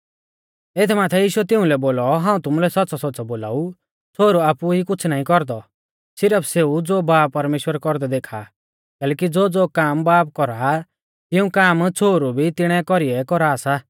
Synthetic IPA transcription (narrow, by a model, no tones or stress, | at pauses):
eːt̪ʰmaːt̪ʰɛjiːʃuɛt̪ɪ̃ũlɛboːlɔɦãːũt̪ʊmulɛsɐtːt͡sɔsɔtːsɔboːla̰ːu | t͡sʰoːɾuaːpuɦikʊt͡sʰnaĩkɔɾd̪ɔ | sɪɾəpʰseud͡zoːbaːpːɐɾmeːʃwəɾkɔɾd̪ɛd̪eːkʰa̰ | kɛːlɛːkid͡zoːd͡zoːkaːmbaːp̚kɔɾa | t̪ɪũkaːmt͡sʰoːɾubʱit̪ɪɽ̃ɛkɔɾiɛkɔɾaːsa